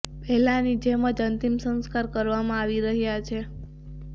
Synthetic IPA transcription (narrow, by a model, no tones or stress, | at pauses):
pɛɦlanid͡ʒeməd͡ʒənt̪imsə̃nskaɾkəɾʋamãaʋiɾəɦjat͡ʃʰe